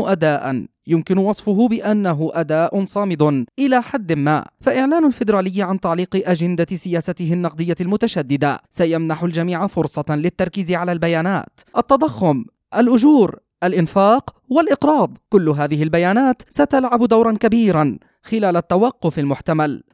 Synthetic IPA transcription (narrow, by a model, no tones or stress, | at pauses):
ʔad̪aːʔa̰njʊmkɪnʊwɑsˤfʊɦʊbɪʔanːaɦʊʔad̪aːʔʊnsˤɑːmɪd̪ˤʔɪlaːħad̪ːɪmma̰ːfaʔɪʕlaːnʊlfɪd̪ɾaːlɪjːʕant̪ɑʕliːqʔad͡ʒɪnd̪asɪjaːsat̪ɪɦɪnːɑq̚d̪ˤɨjːalmʊt̪aʃad̪ːɪd̪a̰sajamnaħʊld͡ʒamiːʕafʊɾsˤɑlɪt̪ːɑɾˤkiːzɪʕalalbajaːna̰ːt̪ʔat̪ːɑd̪ˤɑxːʊm | ʔalʔʊd͡ʒuːɾ | ʔalʔɪnfaːq | walʔɪqɾˤɑːd̪ˤkʊlːʊɦaːðɪɦɪlbajaːnaːt̪sat̪alʕabd̪awɾˤɑnkabiːɾan | xɪlaːlat̪ːawɑqːʊfalmʊħt̪amal